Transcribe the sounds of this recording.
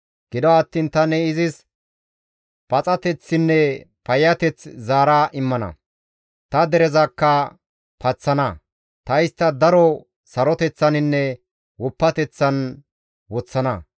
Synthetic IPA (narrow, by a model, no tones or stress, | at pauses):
ɡ̥ɪd̪ɔɐt̪ːiːnt̪ɐnɛɪzɪs | pɐt͡sʼɐt̪ɛt͡sːɪnːɛpɐjːɐt̪ɛt͡szaːɾaːʔɪmːɐnɐ̰ | t̪ɐd̪ɛɾɛzɐkːɐ | pʰɐt͡sːɐnɐ | t̪ɐjɪst̪ːɐd̪ɐɾɔ | sɐɾɔt̪ɛt͡sːɐnɪnːɛ | wɔpːɐt̪ɛt͡sːɐn | wɔt͡sːɐnɐ